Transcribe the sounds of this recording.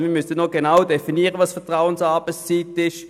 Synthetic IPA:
miːmʏsənːoɡ̥enawdefiniːəʁəʋɑsfɛɐtʁaʊənsɑːb̥əst͡siːtɪʃ

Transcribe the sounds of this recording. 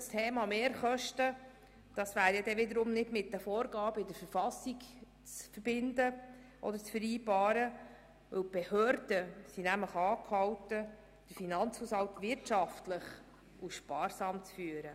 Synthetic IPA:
stʰeːmɑmeːɾχœʃtə | d̥ɑsʋæːɾjɛdɛʋɪd̪əɾʊmnɪdmɪt̚d̥əfɔːɾɡɑːbəɪdəɾfəɾfɑsik | t͡sfəɾb̥ɪndə | ʔɔ̰d̪əɾt͡sfəɾiːbɑːɾə | ʋɵw̚b̥ɛhœːɾd̥əsinæmləχɑːkʰhɑwtə | d̥əɾfinɑnt͡shushɑlt̪ʋɪɾtʃɑftləχ | ʔuʃpɑːɾsɑːmt͡sfyːəɾə

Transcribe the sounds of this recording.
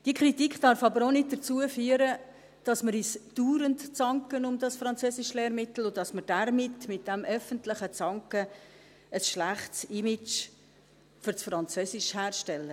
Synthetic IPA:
d̥iəkʰɾitikχd̥ɑɾfɑbəɾonɪd̚dəɾt͡suəfyːəɾə | d̥ɑsməɾisd̥uːɾəntt͡sɑŋkənʊmdɑsfɾɑnt͡søːsɪʃlɛːɾmɪtl̩ʊdɑsməɾd̥æɾmɪtmɪt̚d̥ɛmʔœfəntlɪχət͡sɑŋkə | əsʃlæχtsɪmɪt͡ʃ | fʏɾsfɾɑnt͡søsɪʃhæːrʃtɛlːə

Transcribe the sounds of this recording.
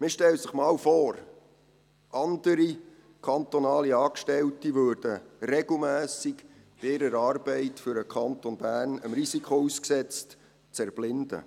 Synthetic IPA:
mɪʃtɛləsəχmɑːlfɔːɾ | ʔɑndəɾi | kʰɑnt̪onɑːliɑːkʃtɛltiʋøːɾd̥əɾɛɡ̥l̩mæːsik | b̥ɪɪɾəɾɑːrbɛɪtfʏɾəkʰɑnt̪onbæːrnəmrisikʰχousksɛt͡st | t͡sɛɾb̥lɪnd̥̪ə̰

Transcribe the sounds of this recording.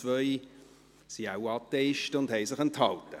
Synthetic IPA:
vœj | siawɑt̪ːɛɪʃtʊndhɛɪjsɪχənthɑltə

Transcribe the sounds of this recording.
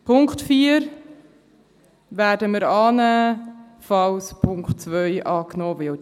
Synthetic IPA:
pʰʊŋktfiːəɾ | væːɾdəməɾɑːnæː | fɑwspʰʊŋkχt̚t͡svœʏʔɑːknoːvɪ

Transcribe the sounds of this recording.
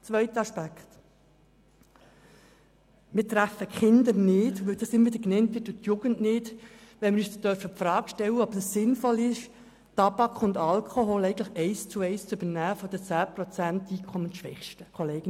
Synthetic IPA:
t͡sʋœɪt̪əɑʃpækχt̪ | mɪːɾtɾæfəkχɪnd̪əɾnɪːdʋɵldɑsɪməɾvʋɪd̪əɾknɛntʋɪtːuːt̪juɡ̥ənnɪdʋɛnmɪɾyːstœɾfəpfɾɑːkʃtɛlːəɔb̥ɛsːɪnfɔlɪʃ | tɑbɑkχʊnd̪ɑlkʰɔɦolɛɪɡən̩tləχɛɪst͡sʊɛɪst͡sʏbəɾnæːfɔd̥̪ət͡sæːpɾɔt͡sæntiːkʰɔmənʃʋɛχʃtəkʰɔleːɡ̥ən

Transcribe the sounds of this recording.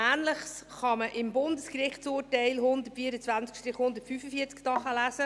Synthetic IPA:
æːnləχsχɑməʔɪmbʊnd̪əskɾɪχtsʊːɾtɛɪlhʊnd̪ətfiːəɾət͡svænt͡skʃtɾɪχhʊnd̪ətfyfəfiəɾt͡sktɑχəlæsə

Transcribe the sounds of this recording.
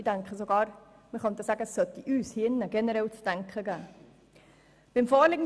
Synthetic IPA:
idæŋkχəsoɡɑːɾ | məχœnt̪əsæːɡəsːœt̪iʔyːshinːəɡ̥ɛnəɾɛlt͡sd̥æŋkχəɡæː | b̥ɪmfɔːɾlɪɡn

